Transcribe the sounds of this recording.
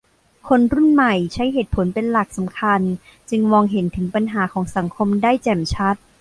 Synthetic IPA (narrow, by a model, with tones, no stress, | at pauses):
kʰo˧nɾu˥˩nma˨˩jt͡ɕʰa˦˥jɦeː˨˩t̪̚pʰo˩˦npe˧nla˨˩k̚sa˩˦mkʰa˧n | t͡ɕɯ˧ŋwɔː˧ŋɦe˩˦nt̪ʰɯ˩˦ŋpa˧nɦaː˩˦kʰɔː˩˦ŋsa˨˩˦ŋkʰo˧mdaː˥˩jt͡ɕɛ˨˩mt͡ɕʰa˦˥t̪̚